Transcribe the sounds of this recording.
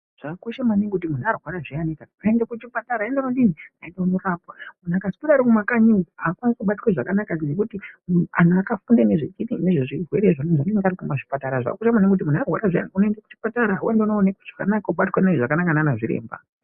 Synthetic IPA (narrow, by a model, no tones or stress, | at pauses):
ʐ̥akakoʃamaniŋikut̬imun̤uarwaɾaʐianikaaendakut͡ʃipataɾaendakudiniaendaunorapwamun̤akazipataɾikumakaɲiakwaniskuɓatiweʐakanakanek̬utia̰nuakafundaneʐet͡ʃinineʐeʐirwe̞ɾeʐaneʐaneŋɡaɾikumaʐipataɾaʐa̰ka̰koʃamaneŋkut̬imunawaɾaʐia̰nikunoendaku̥t͡ʃi̥pataɾauwendeunoːnekuʐ̥aka̰nakauɓatwenaiʐakanakananaʐiɾḛːmba̰